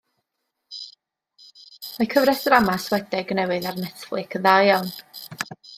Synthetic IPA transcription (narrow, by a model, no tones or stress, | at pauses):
makʰəvrɾɛsəɾamaswɛdɛɡnɛwɨðarnɛθlˠɨkʰəðajɔn